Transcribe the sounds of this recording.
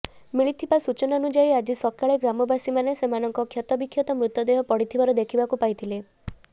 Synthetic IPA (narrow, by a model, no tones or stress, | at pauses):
miɭit̪ʰibasut͡ʃɔnanud͡ʒaiad͡ʒisɔkaɭeɡɾamɔbasimanesemanɔŋkɔkʰjat̪ɔbikʰːjɔt̪ɔmɾut̪jɔd̪eɦɔpɔɽit̪ʰibaɾɔd̪ekʰibakupajt̪ʰile